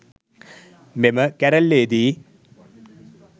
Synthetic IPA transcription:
meməkɐɾɐlːeːd̪i

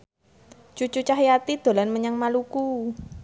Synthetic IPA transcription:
t͡ʃut͡ʃut͡ʃaɦjat̪id̪̥o̤lanməɲaŋmaluku

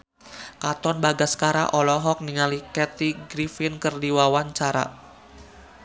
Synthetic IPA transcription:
kat̪ɔnbaɡaskaɾa̰ʔɔlɔɦɔk̚niŋalikɛt̪iɡɾifinkərdiwawaɲt͡ʃaɾa̰

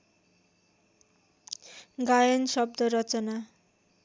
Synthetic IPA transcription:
ɡajʌnsʌbd̪ʌɾʌt͡sʌna

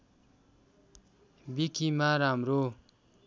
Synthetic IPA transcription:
bikʰimaɾamɾo

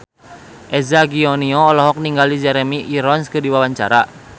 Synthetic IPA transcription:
ʔɛzaɡiɔniɔːlɔɦɔk̚niŋɡalid͡ʒɛɾemiʔːɾɔnskɨrdiwawaɲt͡ʃa̰ɾa

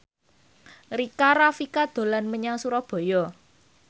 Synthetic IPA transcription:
rikaɾafikad̪̥o̤lanməɲaŋsuɾɔb̥ɔ̤jɔ

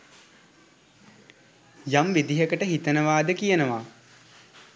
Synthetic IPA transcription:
jamʋid̪iɦəkəʈəɦit̪ənəʋaːd̪əkijənəʋa

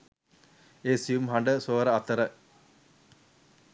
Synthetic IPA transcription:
eːsijumɦaɳɖəsoːɾəɐt̪əɾə

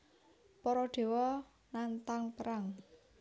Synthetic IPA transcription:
pɔɾɔɖ̪̥e̤wɔ | nant̪aŋpəɾaŋ

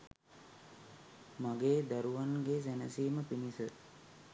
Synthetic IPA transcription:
maɡeːd̪aɾuʋanɡes̬ænəsiːməpinisə

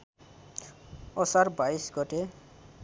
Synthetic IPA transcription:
ɔsaɾbajsɡɔte

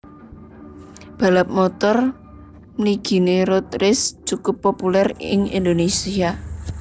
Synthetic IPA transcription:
b̥a̤lap̚mɔt̪ɔr | məliɡ̥i̤neɾot̪ɾɪst͡ʃukʊpːopulɛrɪ̰ŋḭnd̪onesia

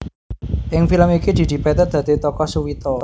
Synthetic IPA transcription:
ʔɪŋfiləmikid̪̥i̤d̪̥i̤pɛt̪ɛrd̪̥ä̤d̪̥i̤t̪ɔkɔsuwit̪ɔ

